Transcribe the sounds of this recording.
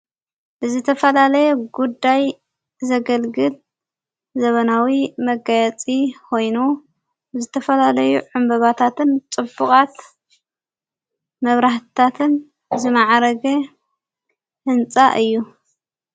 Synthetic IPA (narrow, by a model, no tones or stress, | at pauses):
ʔɨzɨt̪ʰɐfɐlalɐjɛɡud̪ːaj | zɐɡɐlɡɨl | zɐβɐnawimɐɡajɛt͡sʼikʰo̞jnu | zɨt̪ʰɐfɐlalɐjuʕʊmbɐβat̪ʰat̪ʰɨnt͡sʼɨbːukʼat̪ | mɐβɾaħt̪ɨ̥t̪ʰat̪ʰɨn | zɨmaʕɾɐɡɐ | hɨnt͡sʼa̰ʔɨjːu